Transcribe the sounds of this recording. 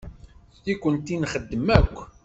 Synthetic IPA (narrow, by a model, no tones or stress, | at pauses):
θtikʷːənt̪inχəd̪ːəmækʷː